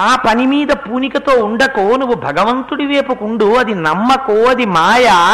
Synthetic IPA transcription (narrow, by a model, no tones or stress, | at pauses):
aːpɐnimiːd̪ɐpuːnikɐt̪oːuɳɖɐkoːnuʋːubʱɐɡɐʋɐnt̪uɽiʋeːpɐkuɳɖuɐd̪inɐmːɐkoːɐd̪imaːjɐ